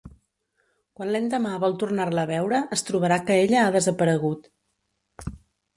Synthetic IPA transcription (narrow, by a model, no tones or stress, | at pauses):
kwanlɛnd̪əmaβɔlˠt̪urnarləːβɛwɾəʔəst̪ɾuβəɾakəeʎəaðəzəpəɾəɣut̪